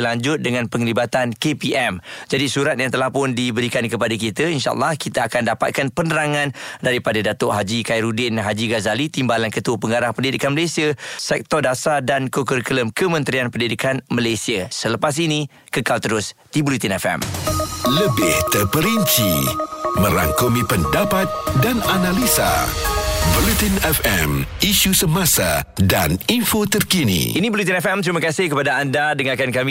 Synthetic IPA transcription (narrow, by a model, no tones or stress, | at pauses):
laɲd͡ʒʊt̪̚dəŋãnpəŋlibat̪ankepiʔɛmd͡ʒadisuɾat̪̚jaŋt̪əlahpʊndibəɾikankəpadakit̪əinʃa̰ʔə̰lːahkit̪aakandapa̰t̪̚kanpənəɾaŋãndaɾipadadat̪oʔɦad͡ʒikajɾudɪnɦad͡ʒiɡazalit̪imbalankət̪uəpəŋɡaɾahpəndidikanməlesiəsɛk̚t̪ɔrdasadankokəɾkələmkəmə̃nt̪ɾianpəndidikanməlesiasələpas̬inĩ | kəkalt̪əɾʊst̪ibulut̪inɛfɛ̰mləbɪht̪ərpəɾiɲt͡ʃimə̃ɾa̰ŋkomipəndapat̪̚dananalisa̰ | volit̪inɛfɛmiʃusəmãsadaninfot̪ərkinḭʔinĩbəlut̪̬inɛfɛmt̪ɾimakasɪhkəpadaandadəŋakankamĩ